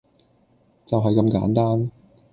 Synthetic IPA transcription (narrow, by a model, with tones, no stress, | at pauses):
t͡sɐ˨wɦɐ˨jkɐ˧mka̰ː˨˥nt̪aː˥n